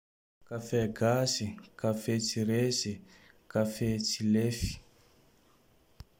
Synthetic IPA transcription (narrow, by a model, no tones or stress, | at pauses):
kafɛɡasikafet͡siɾesi | kafɛt͡silefi̥